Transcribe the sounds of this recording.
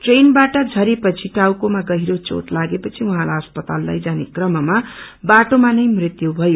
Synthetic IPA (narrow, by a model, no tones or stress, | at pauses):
ʈrenbaʈʌd͡zʱʌɾepʌt͡sʰiʈawkomaɡʌɦiɾot͡so̰ʈlaɡepʌt͡sʰiwʌ̃ɦãlaɦʌspʌt̪alːa̰jd͡zanekrʌmʌmabaʈomanʌjmrit̪jubʱʌjo